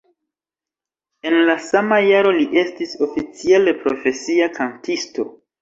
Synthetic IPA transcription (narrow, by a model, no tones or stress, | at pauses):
e̞nlasamajaɾo̞liʔe̞stiso̞fit͡siale̞pɾo̞fe̞siakʰantisto̞